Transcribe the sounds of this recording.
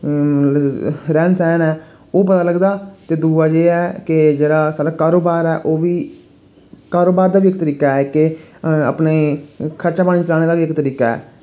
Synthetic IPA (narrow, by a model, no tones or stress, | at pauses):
ɾɛːnsɛːnɛː | oːp̬ət̪aːləɡd̪aːt̪eːd̪uːaːd͡ʒeːɛːkɪd͡ʒeːɽaːsalakaːɾoːbaːɾɛːʔoːʋiː | kaːɾoːbaːɾd̪aːʋiːɪkt̪əɾiːkaːɛːkɪə̰pneːkʰəɾt͡ʃaːpaːɽiːt͡ʃəlaːɽ̃eːd̪aːʋiːɪkt̪əɾiːkaːɛ̰ː